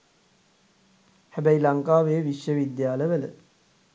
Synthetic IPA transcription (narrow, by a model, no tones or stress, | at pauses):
hæbæjlaŋkaːʋeːʋiʃjəʋid̪jaːləʋələ̰